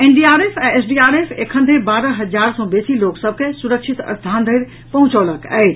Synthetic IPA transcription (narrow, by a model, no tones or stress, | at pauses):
enɖiaɾepʰɛ̃esɖiaɾepʰekʰənd̪ʱeɾbaɾəɦəd͡ʒaɾsɔ̃besiloksəb̚ʱkesuɾəkt͡ʃʰit̪ə̰st̪ʰand̪ʱəjɾ | pəɦũt͡ʃɔləkɛ̰ɪt͡ʃʰ